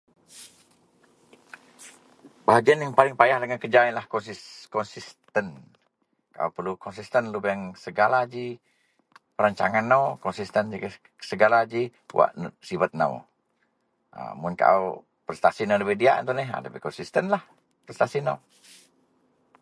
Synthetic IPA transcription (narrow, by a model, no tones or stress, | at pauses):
baɦaɡianjaŋpalɪŋpajahdəŋankəd͡ʒainlahkɔnsikɔnsist̪ən | kaʔa̰wpərlukɔnsist̪ənlubɛŋsəɡalad͡ʒi | pəɾaɲt͡ʃa̰ŋanːawkɔnsist̪ənd͡ʒik | səɡalad͡ʒiwa̰ʔnsibat̪̚na̰w | ə̰mʊnka̰ʔw | pərst̪asinadəpɛdiaʔnt̪unɪɦa̰dəpɛhkɔnsist̪ənlah | pərst̪asina̰w